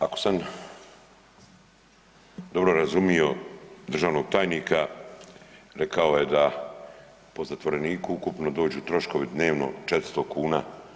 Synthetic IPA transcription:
ako̥sam | d̪o̞bɾo̞ɾazumijo̞d̪r̩ʒaːʋnoɡ̚t̪aːjniːka | ɾekaoje̞d̪a | po̞zat̪ʋo̞ɾe̞niːkuukupno̞d̪o̞ːd͡ʑuːt̪ɾo̞ʃko̞ʋid̪ne̞ːʋno̞̰t͡ʃet̪ɾ̥st̪okʰuːna̰ː

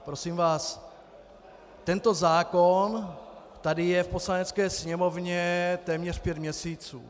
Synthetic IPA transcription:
pɾo̞siːmvaːs | t̪ɛnt̪o̞zaːkon | t̪adɪjɛfpo̞slanɛt͡skɛːsɲɛmovɲɛt̪ɛːmɲɛr̥pjɛt̪mɲɛsiːt͡sṵː

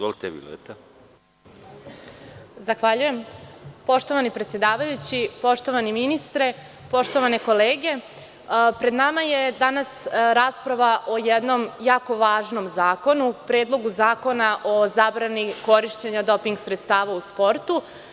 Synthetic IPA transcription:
zʋolit̪ebḭlḛt̪a | zaxʋaʎuje̞mpo̞ʃt̪o̞ʋanipɾet̪sjed̪aːʋajut͡ɕipo̞ʃt̪o̞ʋaniminist̪ɾe̞ | po̞ʃt̪o̞ʋane̞ko̞leːɡe̞ | pɾe̞d̪namaje̞d̪anasɾaːspɾaʋaʔo̞jed̪no̞mjaːko̞ʋaːʒno̞mzaːko̞nupɾeːd̪lˠo̞ɡuzaːko̞naʔo̞zaːbɾaniko̞ɾiʃt͡ɕeɲad̪o̞piŋɡsɾet̪st̪aːʋauspo̞ɾt̪u

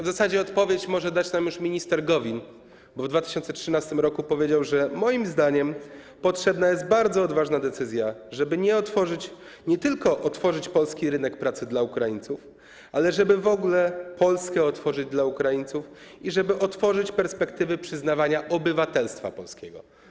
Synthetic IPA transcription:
vzasad͡ʑɛɔt̪pɔvʲjet͡ɕmɔʐɛd̪at͡ɕnamjuʂmʲiɲist̪ɛɾɡɔvʲin | bɔvd̪vat̪ɘ̥ɕɔnt̪sɛtʂɘnast̪ɘmɾɔkupɔvʲjed͡ʑawʐɛmɔjimzd̪aɲɛm | pɔtʂɛbnajɛst̪̚baɾd̪zɔːd̪vaʐnad̪ɛt̪sɘzʲjaʐɛbɘɲɛɔt̪fɔʐɘt͡ɕ | ɲɛt̪ɘlkɔʔɔt̪fɔʐɘt͡ɕpɔlskʲiɾɘnɛkpɾat̪sɘd̪laukɾajint̪suf | alɛʐɛbɘvɔɡlɛpʰɔlskɛɔt̪fɔʐɘd͡ʑd̪laukɾajint̪suf | iʐɛbɘʔɔt̪fɔʐɘt͡ɕpɛɾspɛkt̪ɘvɘpʂɘznavaɲaʔɔbɘvat̪ɛlst̪fa̰pɔlskʲɛɡɔ̰

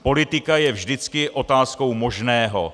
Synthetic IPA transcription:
po̞lɪt̪ɪkajɛvʒdɪt͡skɪʔo̞t̪aːsko̞wmo̞ʒnɛːɦo̞̰

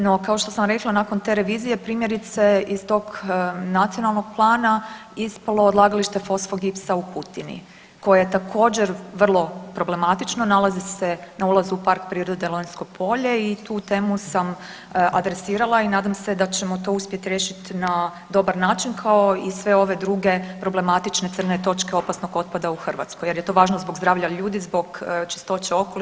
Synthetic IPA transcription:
nokaoʃt̪o̞samɾe̞klˠanakont̪eɾe̞ʋiːzije̞pɾiːmje̞ɾit̪se̞izt̪o̞ɡnat̪sionalˠnoɡ̥̚plˠaːnaispalˠo̞ːd̪lˠaːɡaliʃt̪e̞fo̞sfoɡipsaukut̪inḭ | ko̞jajet̪akʰo̞ːd͡ʑe̞ɾʋr̩lˠo̞pɾo̞ble̞mat̪it͡ʃnonalˠazise̞naulˠazuːpaɾkpɾiːɾod̪d̪elojinskopʰo̞ʎe̞it̪uːt̪e̞ːmusam | ʔad̪ɾe̞siːɾalˠainaːd̪amse̞d̪at͡ɕe̞mo̞t̪o̞uspje̞t̪iɾeːʃit̪na | d̪o̞baɾnaːt͡ʃinkʰaoisʋe̞o̞ʋe̞d̪ɾuɡe̞pɾo̞ble̞mat̪it͡ʃne̞t̪sr̩net̪o̞t͡ʃke̞o̞pasno̞ɡo̞t̪̚pad̪auxr̩ʋa̰t̪skoje̞ɾje̞t̪o̞ːʋaːʒnozboɡzd̪ɾaːʋʎaʎuːd̪izbo̞ɡt͡ʃe̥st̪o̞t͡ɕeo̞koli

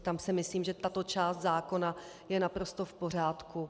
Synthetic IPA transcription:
t̪amsɛmɪsliːmʒɛt̪at̪o̞t͡ʃaːst̪zaːko̞na | jɛnapɾo̞st̪o̞fpo̞r̝aːt̪ku

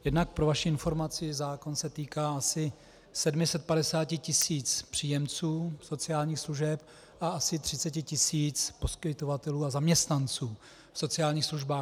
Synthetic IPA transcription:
jɛdnak̚pɾo̞vaʃɪɪnfo̞ɾmat͡sɪzaːko̞nsɛt̪iːkaːasɪ | sɛdmɪsɛt̪̚padɛsaːcɪcɪsiːt͡spr̥iːjɛmt͡suːso̞t͡sɪaːlɲiːxsluʒɛp̚ | ʔaasɪt̪r̝̥ɪt͡sɛcɪcɪsiːt͡spo̞skɪt̪o̞vat̪ɛluːazamɲɛst̪nant͡suː | fso̞t͡sɪaːlɲiːxsluʒbaː

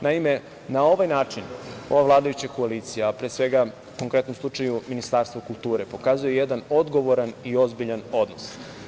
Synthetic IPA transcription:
naime̞ | nao̞ʋajnaːt͡ʂino̞ʋavlˠaːd̪ajut͡ɕako̞aliːt̪sijapɾeːsʋe̞ɡa | ko̞ŋkɾe̞t̪nomslˠut͡ʂajuminist̪aːɾst̪ʋokulˠt̪uːɾepo̞kaːzujejed̪ano̞d̪ɡo̞ʋo̞ɾanio̞zbiʎano̞d̪nos

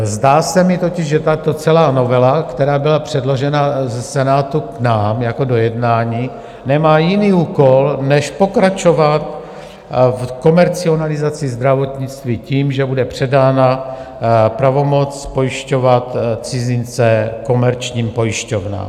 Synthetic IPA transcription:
zdaːsɛmɪt̪o̞cɪʒʒɛt̪at̪o̞t͡sɛlaːno̞vɛlakt̪ɛɾaːbɪlapr̝̥ɛdlo̞ʒɛnazɛsɛnaːt̪uknaːmjako̞do̞jɛdnaːɲiː | nɛmaːjɪniːuːko̞lnɛʃpo̞kɾat͡ʃo̞vat̪ | fko̞mɛɾt͡sɪo̞nalɪzat͡sɪzd̪ɾavo̞t̪ɲɪt͡st̪viːciːmʒɛbudɛpr̝̥ɛdaːna | pɾavo̞mo̞t͡spo̞jɪʃco̞vat̪t͡sɪzɪnt͡sɛko̞mɛɾt͡ʃɲiːmpo̞jɪʃcovna̰ːm

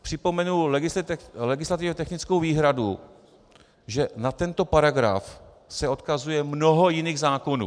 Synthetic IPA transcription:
pr̥ɪpo̞mɛnulɛɡɪslɛɡɪslat̪ɪvɛt̪ɛxnɪt͡skowviːɦɾadu | ʒɛnat̪ɛnt̪o̞paɾaɡɾa̰f | sɛo̞t̪kazujɛmnoɦojɪniːɣzaːko̞nṵː

